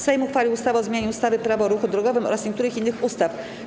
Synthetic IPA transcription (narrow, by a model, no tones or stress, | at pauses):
sɛjmuxfalʲiwust̪avɔzmʲjeɲust̪avɘpɾavɔɾuxud̪ɾɔɡɔvɘmɔ̰ɾasɲeɛk̚t̪uɾɘxinːɘxust̪af